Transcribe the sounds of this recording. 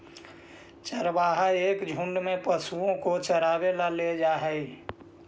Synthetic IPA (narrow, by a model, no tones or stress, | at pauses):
t͡ʃəɾbaːɦaeːkd͡ʒʱʊ̃ɳɖmẽpəsuõkot͡ʃəɾaːwelaled͡ʒaːɦɛi